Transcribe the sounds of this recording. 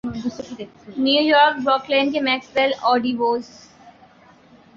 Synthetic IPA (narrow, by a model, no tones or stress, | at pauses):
njuːjɔːɾk̚bɾɔːklẽːnkemɛːksʋɛlɔːɖiʋoːs